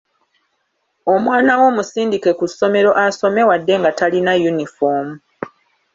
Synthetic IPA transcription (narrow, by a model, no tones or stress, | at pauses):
o̞mwaːnawo̞ːmusiːndike̞kusːo̞me̞ɾo̞ʔaso̞me̞wadːe̞ŋɡatalinajunifo̞ːmu